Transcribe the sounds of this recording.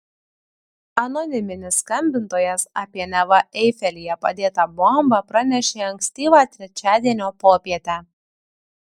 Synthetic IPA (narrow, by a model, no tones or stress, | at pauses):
ɐnɔnʲɪmʲɪnʲɪsːkɐmʲbʲɪnt̪oːjɛsɑːpʲiɛnʲɛʋɐʔɛɪfʲɛlʲijɛpɐ̰d̪ʲeːt̪ɑbɔmbɐpɾɐnʲɛʃʲeːɐŋksʲt̪ʲiːʋaːt̪ʲɾʲɛt͡ʃʲæːd̪ʲiɛnʲoːpoːpʲiɛt̪ʲæː